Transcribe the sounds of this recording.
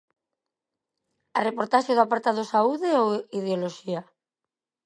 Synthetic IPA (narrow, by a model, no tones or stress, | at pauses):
arepoɾt̪aʃjoðoapaɾt̪aðosauðeoið̞eoloʃia